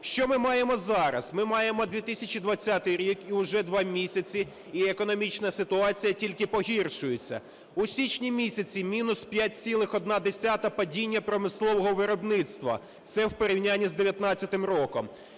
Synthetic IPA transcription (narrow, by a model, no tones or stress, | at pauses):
ʃt͡ʃɔmɪmɑjemɔzɑɾɐ̰smɪmɑjemɔd̪ʲʋʲit̪ɪsʲɐt͡ʃʲid̪ʋɐt͡sʲːat̪ɪjɾʲikiʊʒɛd̪ʋɑmʲisʲɐt͡sʲi | iekɔnɔmʲit͡ʃnɐsɪt̪ʊɑt͡sʲijɐtʲilʲkɪpɔɦʲirʃʊjet͡sʲːɐ̰ | usʲit͡ʃnʲimʲisʲɐt͡sʲimʲinʊspʲjat̚ʲsʲilˠɪxɔd̪̚nɑd̪esʲat̪ɐpɐdʲinʲːɐpɾɔmɪslˠɔʋɔɦɔʋɪɾɔbnɪt̪st̪ʋɐ̰ | t̪sɛwpeɾʲiwnʲanʲːizd̪eʋʲjɐt̪nɑt͡sʲːɐt̪ɪmrɔkɔm